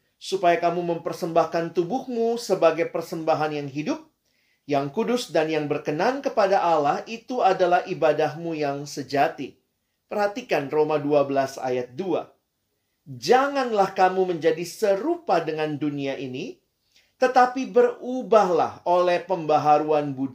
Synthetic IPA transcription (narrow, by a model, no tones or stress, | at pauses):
supajakamuməmpərsəmbahkant̪ubʊhmusəbaɡajpərsəmbaɦanjaŋɦidʊp̚ | jaŋkudʊsdanjaŋbərkənankəpadaʔalahʔit̪uadalahibadahmujaŋsəd͡ʒat̪i | pərhat̪ikanromaduabəlasa̰jat̪̚dua̰ | d͡ʒaŋanlahkamuməɲd͡ʒadisəɾupadəŋanduniaʔini | t̪ət̪apibərubahla̰holɛhpəmbaɦaɾuanbud